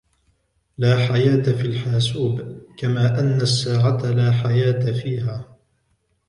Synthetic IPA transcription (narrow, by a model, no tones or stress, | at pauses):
laːħajaːt̪afiːlħaːsuːbkamaːʔanːasːaːʕat̪alaːħajaːt̪afiːɦaː